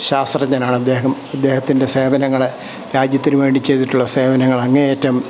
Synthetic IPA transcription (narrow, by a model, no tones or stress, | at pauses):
ɕaːst̪rɐɲaːnaːɳɨɐd̪ːe̞ːɦɐmɐd̪ːe̞ːhɐt̪ːindese̞ːbɐnɐŋːɐɭ | ɾaːd͡ʑjɐt̪ːinɨʋe̞ːɳɖit͡ɕe̞jt̪iʈːuɭːɐse̞ːbɐnɐŋːɐɭɐŋːɐneeːtːɐm